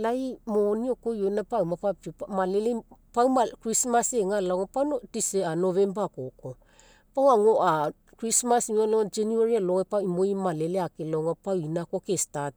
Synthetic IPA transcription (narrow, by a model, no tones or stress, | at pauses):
lajmoniokojonapawmapaptiomalelepawmakɾismaseŋalaŋopanotiseanovembakoko | pawaŋoʔa | kɾismasimalod͡ʒenuaɾialoŋepaimoimaleleakeloŋapawinakokestat̚